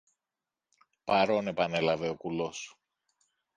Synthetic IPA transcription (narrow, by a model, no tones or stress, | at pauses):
pɐɾo̞ne̞pɐne̞lɐve̞o̞kulo̞s